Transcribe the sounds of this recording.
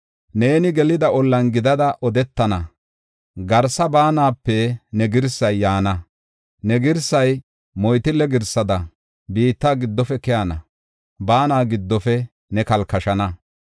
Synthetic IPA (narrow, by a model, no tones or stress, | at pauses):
ne̞ːnɪɡɛlɪd̪ɐɔlːɐnɡɪd̪ɐd̪ɐʔɔd̪ɛt̪ːɐnɐ | ɡɐɾsɐbaːnaːpːɛnɛɡɪɾsɐjːaːnɐ | nɛɡɪɾsɐj | mɔjt̪ɪlɛɡɪɾsɐd̪ɐ | biːt̪ːaːɡɪd̪ːɔfɛkɛjɐnɐ̰ | baːnaːɡɪd̪ːɔfɛ | nɛkɐlkɐʃɐnɐ